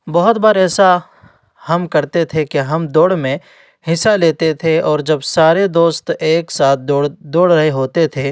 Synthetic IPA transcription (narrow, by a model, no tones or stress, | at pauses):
bɔɦʊt̪baːɾɛːsa | hɐmkɐɾt̪et̪ʰekeɦɐmd̪oːɽmẽ | hɪsaleːt̪et̪ʰeɔːɾd͡ʒɐbsaːɾed̪oːst̪eːksaːt̪̚ʰdd̪oːɽɾɐɦeɦoːt̪et̪ʰe